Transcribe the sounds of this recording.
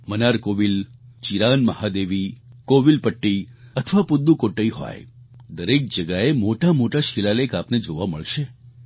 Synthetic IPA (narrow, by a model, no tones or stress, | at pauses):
mənaɾkoʋilt͡ʃiɾanməhad̪eʋikoʋilpəʈːiət̪ʰəʋapʊd̪ːukoʈːəiɦo̰j | d̪əɾek̚d͡ʒəɡaemoʈamoʈaʃilalekapned͡ʒoʋaməɭʃe